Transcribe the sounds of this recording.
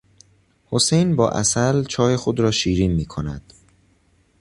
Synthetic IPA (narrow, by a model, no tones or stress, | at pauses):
ho̞sejnbɒ̰ːʔæ̰sælt͡ʃʰɒːje̞xod̪ɾɒːʃiːɾiːnmiːkʰo̞næ̰d̪̥